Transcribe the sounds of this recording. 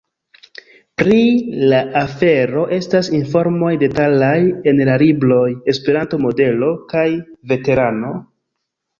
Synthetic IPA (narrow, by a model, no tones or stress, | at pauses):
pɾilaʔafe̞ɾo̞ʔe̞stasinfo̞ɾmo̞jde̞talaje̞nlaliblo̞je̞spe̞ɾanto̞mo̞de̞lo̞kajve̞te̞ɾano̞